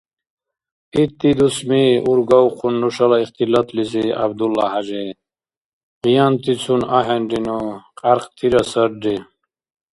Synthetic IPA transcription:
it̪ːid̪usmiuɾɡawqʰunːuʂɐlaiχt̪ilɐt̪lizia̰b̚d̪ulahaʒe | ʁijant̪it͡sʰunaɦenɖinuqʼaɾqt̪ʰiɾɐsəɾɖi

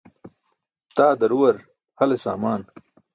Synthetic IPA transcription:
t̪aːd̪ɐɾuwɐɾ | hɐlesa̰ːmaːn

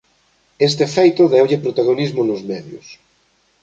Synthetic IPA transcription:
es̬t̪efejt̪oðɛwʎepɾot̪aɣ̞onizmonozmɛðjo̰s

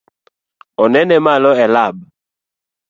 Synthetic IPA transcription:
ɔnɛnɛmalɔɛlab̚

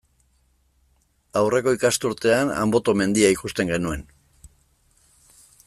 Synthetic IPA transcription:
awre̞ko̞ikast̪uɾt̪e̞ana̰mbo̞t̪o̞me̞nd̪iaikust̪e̞ŋɡe̞nue̞n

